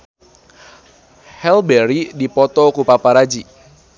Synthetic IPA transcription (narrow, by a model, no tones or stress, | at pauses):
hɛlbɛɾidipɔt̪ɔkupapaɾad͡ʒi